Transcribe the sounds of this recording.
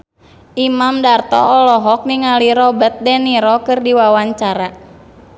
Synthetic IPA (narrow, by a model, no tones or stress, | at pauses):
ʔimamdart̪ɔ̰ɔlɔɦɔk̚niŋaliɾɔbət̪̚dɛniɾɔkɨrdiwawaɲt͡ʃaɾa